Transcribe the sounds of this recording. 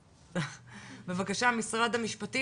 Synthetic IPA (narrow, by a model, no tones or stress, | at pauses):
be̞vakaʃamisʁad̪hamiʃpat̪i